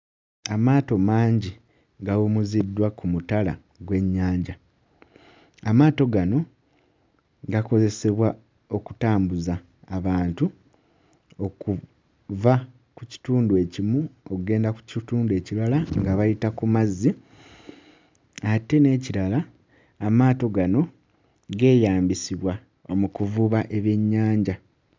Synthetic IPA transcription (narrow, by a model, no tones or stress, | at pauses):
amaːto̞maːɲɟi | ɡawumuzidːwakumutala | ɡwe̞ɲːaːɲɟa | amaːto̞ɡano̞ | ɡako̞ze̞se̞βwa | o̞ku̥taːmbuzaː | βaːntu | o̞ku | va | kuci̥tuːndue̞ːcimuokuɡe̞ːndaku̥cituːndue̞ciɾalaŋɡaβajitakumazːi | ate̞ne̞ːciɾalaː | maːto̞ɡano̞ | ɡe̞ːjaːmbisiβwa | o̞mukuvuːβaʔe̞βe̞ɲːaːɲɟa